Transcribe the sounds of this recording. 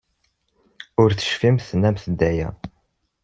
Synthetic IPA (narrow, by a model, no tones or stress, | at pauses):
ʊɾθə̥ʃfimθnːæmθəd̪ːæjæ̰